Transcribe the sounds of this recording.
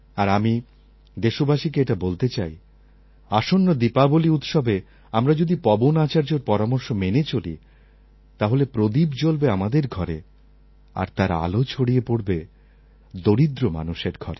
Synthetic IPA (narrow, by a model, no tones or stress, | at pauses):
aɾami | d̪eʃobaʃikeeʈabolt̪et͡ɕaj | aʃonːod̪ipaboliut̪ʃɔbʱe | amɾad͡ʑod̪ipɔbonat͡ɕaɾd͡ʑoɾpɔɾamoɾʃomenet͡ɕolḭ | t̪aɦolepɾod̪ibt͡ɕolbeamad̪eɾɡʱɔɾe | a̰ɾt̪aɾa̰lot͡ɕʰoɽiepoɽbe | d̪oɾid̪ɾoma̰nuʃeɾɡʱɔ̰ɾe